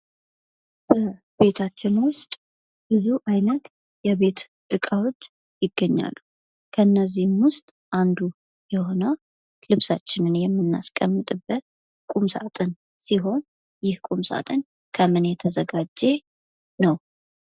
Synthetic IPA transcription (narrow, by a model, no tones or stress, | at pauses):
b̥ə | be̞t̪ʰat͡ʃːɪnwʊst̪ʼ | bɨzuʔajnət̪ | jɛβe̞t̪ | ʔɨkʼawot͡ʃː | jɪɡːəɲːa̰lːu | kʰəɨnːəzːihmwʊst̪ʼ | ʔand̪u | jɛho̞nə | lɨβsat͡ʃːɪnɨnjɛmːɨnːa̰skʼəmːɨt̪ʼɨbːət̪̚ | kʼumsa̰t̪ʼɨn | siɦo̞n | jɪhkʼumsa̰t̪ʼɨn | kʰəmɨnjɛt̪ʰəzəɡad͡ʒːe̞ | nəw